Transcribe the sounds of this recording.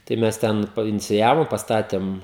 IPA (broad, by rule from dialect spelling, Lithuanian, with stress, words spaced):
tɐɪ ˈmʲɛs ˈtʲɛn pɐɪnʲɪt͡sʲɪˈjæːʋoː pɐsˈtɑːtʲeːm